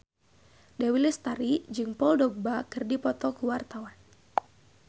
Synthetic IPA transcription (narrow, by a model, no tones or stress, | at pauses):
dawilɛst̪aɾid͡ʒɨŋpɔldɔɡ̚bakɨrdipɔt̪ɔkuwart̪awan